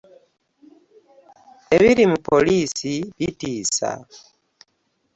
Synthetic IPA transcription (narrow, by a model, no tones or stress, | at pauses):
e̞βiɾimupo̞liːsiβitiːsa̰